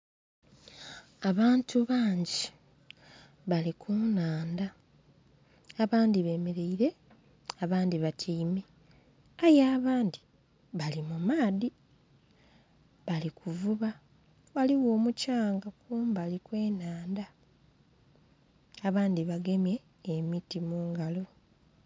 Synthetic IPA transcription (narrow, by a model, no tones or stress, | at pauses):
aβaːntʰuβaːɲɟi | βalikʰunaːnda | aβaːndiβe̞ːmeɾeiɾe̞ | aβaːndiβatʰiːme | ajaːβaːndi | βalimumaːði | βalikʰuvuβa | βaliwo̞ːmucaːŋɡakuːmbalikwe̞ːnaːnda | aβaːndiβaɡe̞mje̞ː | mitimuːŋɡalo